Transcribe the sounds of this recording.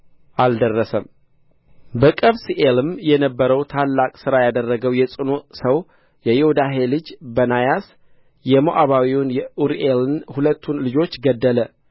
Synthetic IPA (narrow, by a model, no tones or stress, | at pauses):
ʔald̪ərːəsəm | bəkʼəβsiʔelɨmjɛnəbːəɾəwt̪ʰalːakʼsɨɾajad̪ərːəɡəwjɛsʼɨnosəw | jɛjehud̪aɦe̞lɨd͡ʒbənajas | jɛmoʔaβawiwʊnjɛʔuɾʔelɨnhulət̪ʰːunlɨd͡ʒo̞t͡ʃːɡəd̪ːələ